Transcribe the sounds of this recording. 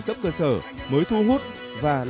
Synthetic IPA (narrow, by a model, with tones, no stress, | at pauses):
kə˦˥p̚kəː˧səː˧˩məː˨˦jt̪ʰu˧ɦu˦˥t̚ | vaː˨˩l